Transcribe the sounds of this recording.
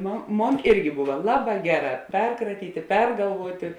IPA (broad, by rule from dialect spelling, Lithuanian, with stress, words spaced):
ˈmoːn ˈmoːn ˈɪrʲɡʲɪ ˈbʊʋɐ ˈlˠɑːˌbɑː ˈɡʲæːˌrɑː ˈpʲɛrkrɐtʲiːtʲeː ˈpʲɛrɡɐlˠʋuɔtʲeː